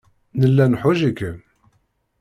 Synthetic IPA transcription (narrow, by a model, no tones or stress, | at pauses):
nəlːænħʊʒikːə